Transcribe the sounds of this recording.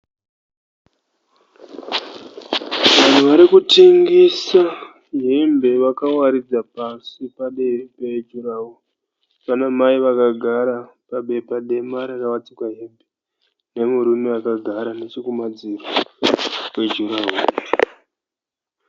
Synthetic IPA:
ʋan̤uʋaɾikutiŋɡisa | ɦe̞mbʱe̞ʋakawaɾid͡zapasipaɗe̞peid͡ʒuɾawo | panamaiʋakaɡʱaɾa | paɓe̞paɗe̞maɾarkawat͡sikwaɦe̞mbʱe | ne̞muɾuniakaɡʱaɾane̞t͡ʃikumad͡ziro | we̞d͡ʒuɾaɦuːne

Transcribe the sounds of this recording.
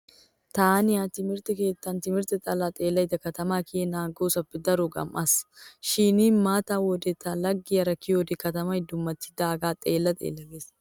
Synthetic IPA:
t̪aːnɪjaːt̪ɪmɪɾt̪ɛkeːt̪ːant̪ɪmɪɾt̪ɛt̪ʼɐlat̪ʼeːlːɐɪd̪ɐkːɐt̪ɐmaːkeːnaːŋɡoːsɐbɪd̪ɐɾʊɡɐ̰mʔɐsʃiːniːnmaːt̪aːwɔd̪ɛt̪ːalɐɡːɪjɐɾɐkːɪjɔd̪ɪkːɐt̪ɐmɐɪd̪ːʊmːɐt̪ːɪ̥d̪aːɡaːt̪ʼeːlːɐt̪ʼḛːlːɐɡeːs

